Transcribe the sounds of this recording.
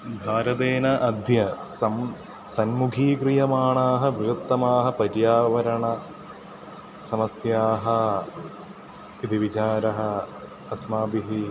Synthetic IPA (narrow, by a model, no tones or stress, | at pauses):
bʱaːɾɐt̪eːnɐʔɐd̪ʱjɐsɐm | sɐnmuɡʱiːkɾijɐmaːɳaːɦɐʋɐt̪ːɐmaːɦɐ̆pɐɾjaːʋɐɾɐɳɐ | sɐmɐsjaːɦɐ | id̪iʋit͡ʃaːɾɐɦɐ̆ | ɐsmaːbiɦi